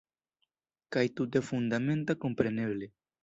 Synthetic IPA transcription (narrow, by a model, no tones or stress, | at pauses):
kajt̪ut̪efund̪ame̞nt̪ako̞mpɾe̞ne̞ble